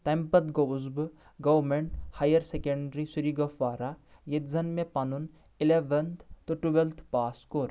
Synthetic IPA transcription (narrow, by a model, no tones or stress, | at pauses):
t̪ɐmpɐt̪ɡouzb | ɡɐʋmeɳʈhajɐɾsekɐɳɖɾisuɾiɡɐfʋaːɾa | jet̪zɐnmẽpɐnun | ileʋɐnt̪t̪oʈubelt̪ʰpaːskoːɾ